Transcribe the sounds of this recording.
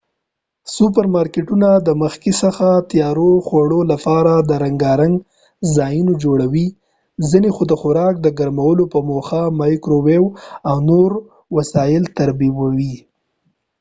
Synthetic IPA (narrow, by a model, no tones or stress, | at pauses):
sup̬əɾmɑɾkeʈunad̪əməxkisəxat̪jɑɾoxwaɽolapɑɾad̪əɾaŋɡɑɾaŋɡ | zɑjinod͡ʒoɽawi | zinexod̪əxʊɾɑk̚d̪əɡaɾmawəlopəmoxamajkɾowewawnoɾ | wasɑjɪlt̪aɾbiwawi